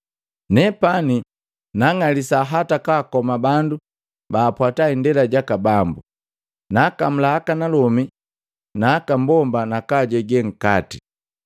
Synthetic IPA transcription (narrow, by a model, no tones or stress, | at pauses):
nɛpani | naŋalisaɦatakaːkɔmabandu | baːpwataindɛlaɟakabambu | naːkam̩laːkanalɔmi | naːkambɔmbanakaɟɛɡɛŋ̩kati